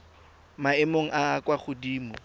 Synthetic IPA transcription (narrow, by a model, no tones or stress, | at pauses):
maɪmoŋ̩ʔakwaχʊdiːmʊ